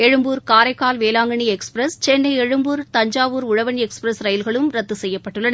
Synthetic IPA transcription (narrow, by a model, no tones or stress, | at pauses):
ɛɻɯmbuːɾkaːɾɐɪkːaːlʋeːlaːŋɡɐɳiɛkspɾɐst͡ʃɛnːɐɪɛɻɯmbuːɾt̪ɐɲd͡ʒaːʋuːɾʊɻɐʋɐniɛkspɾɐsɾɐjɪlɣɐɭɯmɾɐt̪ːɯsɛjːɐpːɐʈːɯɭːɐn